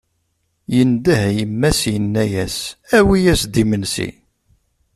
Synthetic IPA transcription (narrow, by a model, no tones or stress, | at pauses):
jənd̪əhjəmːæsjənːæjæsæwijæsd̪imənsḭ